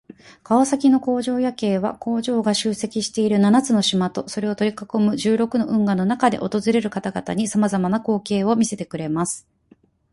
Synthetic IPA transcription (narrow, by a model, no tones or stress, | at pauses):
kaosakʲino̞ko̞ːʑo̞ːjake̞ːβa̰ko̞ːʑo̞ːɡaɕɨːse̞kʲiɕi̥t̪e̞iɾɯ̟nanat͡sɨno̞ɕimat̪o̞so̞ɾe̞o̞t̪o̞ɾʲikako̞mɯ̟ʑɨːɾo̞kɯ̟no̞ʔɯ̟̃ŋɡano̞nakad̪e̞̰ʔo̞t̪o̞zɨɾe̞ɾɯ̟kat̪aɡat̪aɲ̟isamazamanako̞ːke̞ːo̞mʲise̞t̪e̞kɯ̟ɾe̞masɨ̥